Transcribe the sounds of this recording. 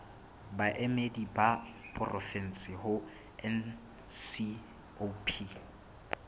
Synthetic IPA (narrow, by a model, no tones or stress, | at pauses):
baʔemedibapʼʊrʔɔfɛn̩sɪhʊ | ɛn | si | opʰi